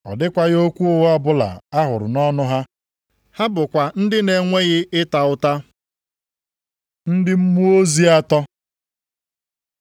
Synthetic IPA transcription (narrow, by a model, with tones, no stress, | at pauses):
ɔ̰˨dɪ˦kʷa˦ɣo˦kʷu˦o˦wa˦bʊ˦la̰˨a˦ɦʊ˨ɾʊ̰˨nɔ˦nʊ˦ɦa˦ | ha˦bʊ˨kʷa˨n̩˦dɪ˦ne˨ŋʷe˦ɣɪ˦ɪ˦ta˨ʊ˦ta˦ | n̩˦dɪ˦m̩˦mu˦o˦zi˦a˦tɔ˦